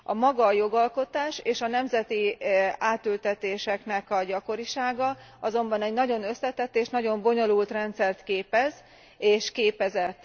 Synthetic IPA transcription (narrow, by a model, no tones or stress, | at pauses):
ʔɒmɒɡɒjo̞ɡɒlko̞t̪aːʃeːʃɒnɛmzɛt̪iaːt̪ylt̪ɛt̪eːʃɛknɛkɒɟɒko̞ɾiʃaːɡɒ | ɒzo̞mbɒnɛɟnɒɟo̞nø̞sːɛt̪ɛt̪ːeːʃnɒɟo̞mbo̞ɲo̞lult̪rɛnt̪sɛrt̪keːpɛz | eːʃkeːpɛzɛt̪ː